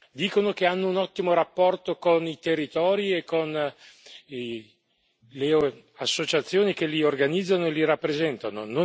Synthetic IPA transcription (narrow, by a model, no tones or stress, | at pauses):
d̪iːkonokeanːounɔt̪ːimoɾapːɔrt̪okonit̪erːit̪ɔːɾiekːon | le | asːot͡ʃat̪sːjoːnikeliorɡanid̪zːanoeliɾapːɾezɛnt̪ano̰no